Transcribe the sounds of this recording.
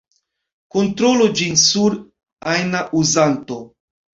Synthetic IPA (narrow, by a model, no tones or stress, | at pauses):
kont̪ɾolod͡ʒinsuɾ | ajnaʔuzanto̞